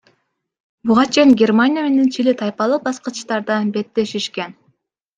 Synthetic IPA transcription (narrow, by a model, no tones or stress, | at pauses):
buʁɑt͡ʃʰe̞jiŋɡʲe̞rmanʲijame̞nent͡ʃʰilit̪ʰɑjpɑlˠɯbɑsqət͡ʃt̪ɑɾd̪ɑnbe̞t̪ːe̞ʃiʃke̞n